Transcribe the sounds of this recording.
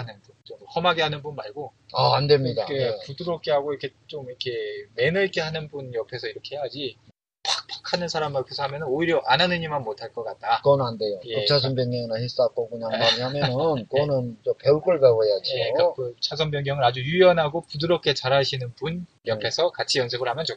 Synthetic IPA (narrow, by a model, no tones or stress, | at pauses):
anɯnbunt͡ɕomhʌmaɡeɦanɯnbunmaɭɡo | aandemɲidakepudɯɾʌp̚k͈ʰe̞ɦaɡojɾʌkʰet͡ɕomiɾʌkʰe̞me̞nɯɭk͈e̞ɦanɯnbunjʌpʰe̞sʰʌiɾʌkʰe̞ɦeɦad͡ʑi | pak̚p͈ʰḁkʰanɯnsʰaɾamkʰesʰʌɦamjʌnɯnoiɾjʌʔananɯɲimanmotʰaɭk͈ʌk͈at̚t͈akɯʌnande̞jojekɯt͡ɕʰas̬ʰʌmbjʌŋjʌŋinahis͈ak͈oɡuɲamaɾiɲamjʌnknɯnt͡ɕopeuɭk͈ɯɭɡaoejad͡ʑieakɯt͡ɕʰas̬ʰʌmbjʌŋjʌŋɯɾad͡ʑujujʌnɦaɡopudɯɾʌp̚k͈ʰe̞t͡ɕaɾaɕʰinɯnpun | jʌpʰe̞sʰʌkat͡ɕʰijʌnsʰeɡɯɭhamjʌnt͡ɕo